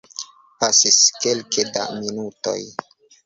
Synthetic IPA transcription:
pasiskelkeda̰minuto̰j

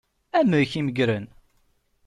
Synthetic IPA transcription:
æməɾçiməɡɾən

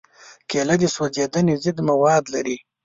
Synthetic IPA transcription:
kelad̪iswozed̪anezɪd̪mawɑd̪laɾi

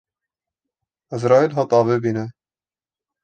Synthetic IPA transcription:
æzɾɑːilɦɑt̪ʼˤɑːvebiːnɛ

